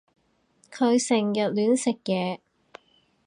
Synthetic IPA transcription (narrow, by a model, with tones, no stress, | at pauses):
kʰɵ˨˧ɥsɪ˨˩ŋjɐ˨t̚lyː˨˥nsɪ˨k̚jɛː˨˧